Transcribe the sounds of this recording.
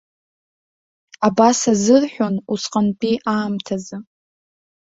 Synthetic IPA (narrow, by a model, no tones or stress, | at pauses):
abasazɨrħʷᶣonusqʼanpʼiʔaːmtʰazɨ